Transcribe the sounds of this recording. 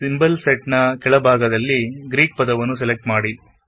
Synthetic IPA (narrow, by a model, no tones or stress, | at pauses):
simbɐlseʈnɐkɛɭɐbʱaːɡɐd̪ɐlːiɡɾiːk̚pɐd̪ɐʋɐnːus̬ɛlek̚ʈmaːɽi